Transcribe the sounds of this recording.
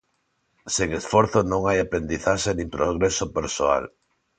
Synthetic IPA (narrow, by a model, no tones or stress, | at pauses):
seŋesfoɾθonõŋajapɾend̪iθaʃenĩmpɾoɣɾesopeɾsoa̰l